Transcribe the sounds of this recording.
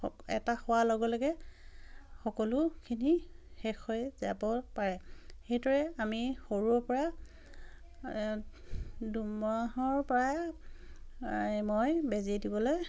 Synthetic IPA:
ɛ̰taxʊwalɔɡɔlɔɡɛ | xɔkɔlʊkʰinixɛxʰojzabɔpaɹɛxejdɔɹɛamixoɹuɔpɔɹa | dumaɦɔɹpɔɹa | mojbeziedibɔloj

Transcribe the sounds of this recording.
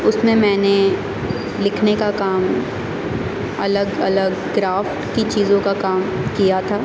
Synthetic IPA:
ʊsmẽmɛ̃ːne | lɪkʰnekakaːm | ɐ̰ləɡɐ̰ləɡ | ɡɾaːfʈkit͡ʃiːzõkakaːmkijat̪ʰaː

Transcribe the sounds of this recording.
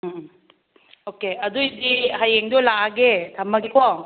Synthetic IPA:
okeɐd̪uid̪iɦajeŋd̪ulaɡet̪ʰɐmːɐɡikʰɔ

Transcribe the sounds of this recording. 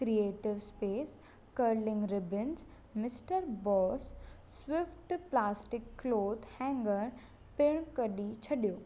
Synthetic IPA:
kɾieːʈɪʋspeːs | kəɾlɪ̃ŋɡɾɪbɪnz | mɪsʈəɾbɔːsː | wɪfʈplaːsʈɪkːloːd̪hɛ̃ːŋɡəɽ̃ | pɪɽ̃kɐɗit͡ɕʰɐɗijoː

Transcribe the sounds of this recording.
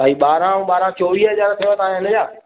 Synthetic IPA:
aːiɓaːɾãũɓaːɾãt͡ɕoːʋiːɦɐzaːɾt̪ʰɐjot̪ɐãɦɪnə̆d͡ʑaː

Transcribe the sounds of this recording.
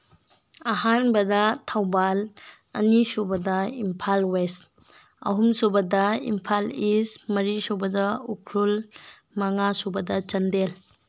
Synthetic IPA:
ɐɦanbɐdɐtʰawbal | ɐ̰nisubɐdɐimpʰalwes | ɐ̰ɦumsubɐdɐḭmpʰalismɐɾisobɐdɐukʰɾul | mɐŋasubɐdɐt͡ʃɐndel

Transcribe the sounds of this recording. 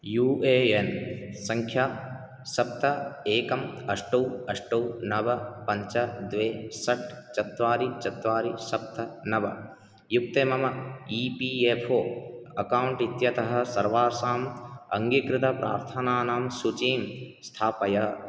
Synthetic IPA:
juːeːensɐŋkʰjaː | sɐp̚t̪ɐeːkɐmɐʂʈɐwɐʂʈɐwnɐʋɐpɐɲt͡ʃɐd̪ʋeːsɐʈt͡ʃɐt̪ʋaːɾit͡ʃɐt̪ʋaːɾisɐp̚t̪ʰɐnɐʋɐ̰ | juk̚t̪eːmɐmɐiːpiːepʰoːɐkaːwɳʈit̪jɐt̪ɐɦɐ̆sɐɾʋaːɾsaːmɐŋɡikɾɪt̪ɐpɾa̰ːɾt̪ʰɐnaːnaːmsut͡ʃiːmst̪ʰaːpɐjɐ

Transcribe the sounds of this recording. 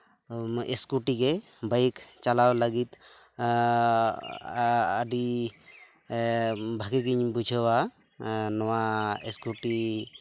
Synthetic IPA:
eskuʈikɛ | bajkt͡ʃalawlaɡit̪ | aɖi | bʱaɡiɡiɲbud͡ʒʱɔwa | nɔwaeskuʈi

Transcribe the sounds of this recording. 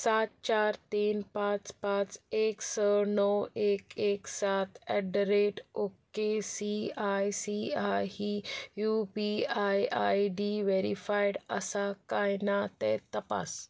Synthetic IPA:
sat̪̚t͡ɕaɾt̪iːnpat͡spãt͡seksənɔəwekeksat̪ʰɛɖɾeʈokesiajsiajhijupiajajɖiʋeɾifajɽəsakajnat̪ɛt̪əpa̰s

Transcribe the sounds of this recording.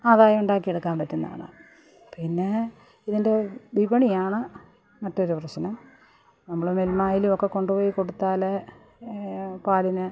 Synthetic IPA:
aːðaːjɐuɳɖaːk̬ːieɽukːaːmpɐtːunːa̰ːɳɨ̰ | pinːe̞ | iðinde̞ʋibɐɳijaːɳɨ | mɐtːo̞ɾuprɐɕnɐm | nɐmːuɭɨmelmaːjilumokːe̞ko̞ɳɖupo̞ːjiko̞ɽut̪ːaːle | paːlinɨ

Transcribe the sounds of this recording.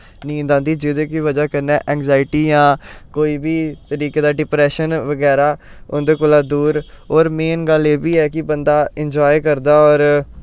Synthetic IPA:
nĩːnd̪ãːnd̪iːd͡ʒɪd̪ẽːkiʋəd͡ʒaːkəɾnɛːʔɛːŋɡzaːɪʈiːjãːkoːiːbʱiːt̪əɾiːkeːd̪aːɖɪpɾɛːʃənʋəɡɛːɾaːʊ̰nd̪eːkoːlaːd̪uːɾ | ɔːɾmeːnɡəleːbiːɛːkɪbənd̪aːɪɲd͡ʒɔːjkəɾd̪aːɔːɾ

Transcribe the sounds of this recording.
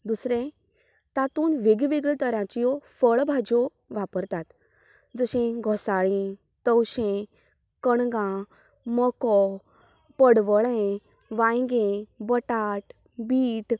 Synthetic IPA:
d̪usɾẽ | t̪at̪uːnʋeɡiʋeɡɭit̪əɾãt͡ɕijɔfəɭbʱad͡ʑo | ʋapəɾt̪at̪ | d͡zəɕẽɡʱɔsaɭĩ | t̪əwɕẽ | kəɳɡã | mɔkɔ | pəɽʋəɭẽ | ʋãjɡẽbəʈaʈ | biːʈ

